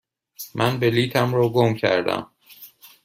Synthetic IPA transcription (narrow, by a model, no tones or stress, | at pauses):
mʔænbeliːt̪ʰæmɾɒːɡomcʰæ̰ɾd̪æ̰m